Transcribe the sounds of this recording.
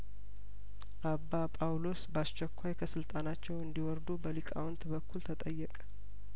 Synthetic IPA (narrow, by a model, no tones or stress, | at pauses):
ʔabːapʼawlo̞sbəast͡ʃːɛkʰʷːajkʰəsɨlt̪ʼanat͡ʃːɛwɨnd̪iwɔɾd̪ubəlikʼa̰wɔnt̪bəkʰːult̪ʰət̪ʼəjːɛkʼə̥